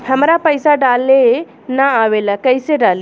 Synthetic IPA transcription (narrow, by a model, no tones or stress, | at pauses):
həmɾapəjsaɖale | naːʋelakəjseɖal